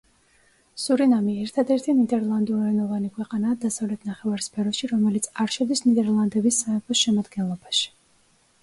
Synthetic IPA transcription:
suɾinamiɛɾt̪ʰad̪ɛɾt̪ʰinid̪ɛɾlˠand̪uɾɾɛnɔvanikʰwɛqʼanaːd̪asavlɛt̪ʰnaχɛvaɾspʰɛɾɔʃiɾɔmɛlit̪sʰaɾʃɔd̪isnid̪ɛɾlˠand̪ɛbisːaɛpʰɔsʃɛmad̪ɡɛnlˠɔbaʃi̥

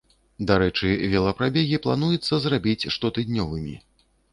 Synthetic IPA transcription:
d̪aɾɛt͡ʂɨvʲɛlˠɐpɾabʲeɣʲiplˠanujɛt̪sːɐzrabʲit͡sʲʂt̪ɔt̪ɨd̪nʲɔvɨmʲḭ

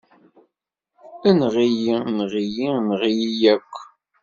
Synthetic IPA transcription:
ænʁijinʁijinʁijijækʷː

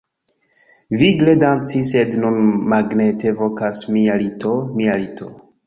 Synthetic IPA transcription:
viɡledant͡sisednunmaɡnetevokasmialitomialitʰo

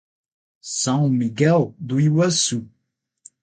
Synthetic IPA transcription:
sãmiɡald̪uiwasu

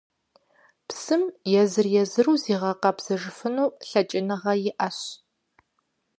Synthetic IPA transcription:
psɨmjɛzɨrjɛzɨruːziːʁɐqɐpz̥ɐʐɨfɨnuːɬɐt͡ʃʼɪnɨʁɐjɪʔɐɕ

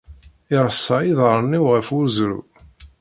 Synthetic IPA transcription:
ɪɾˤəsˤːɑjiðˤəɾˤəniwʁəfʊɾzɾṵ

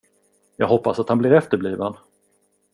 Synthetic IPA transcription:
jɑːɡɦɔpːasat̪hanblɪɾɛft̪əɾbliːvən

